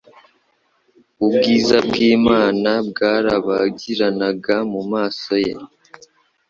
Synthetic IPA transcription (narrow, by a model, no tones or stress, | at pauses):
ubɡiːzab̚ɡiːmaːnabɡaːɾaβaɟiɾanaɡamumaːso̞jḛ